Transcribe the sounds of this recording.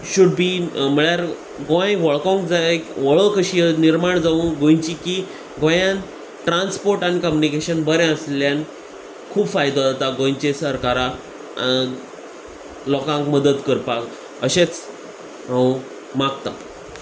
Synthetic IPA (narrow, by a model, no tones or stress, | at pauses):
ɕuɖbiːm̤əɭjaɾ | ɡõjʋəɭkõŋkd͡zaekʋəɭəkəɕiəniɾmaɳd͡zaũːɡõj̃t͡ɕiki | ɡõjãn | ʈɾanspoɾʈaɽ̃nikəmjunikeɕənbəɾɛ̃əsljan | kʰuːbfajd̪od͡zat̪aɡõjt͡ɕesəɾkaɾa | lɔkãŋkməd̪ət̪kəɾpak | əɕet͡s | ɦãũ | makt̪a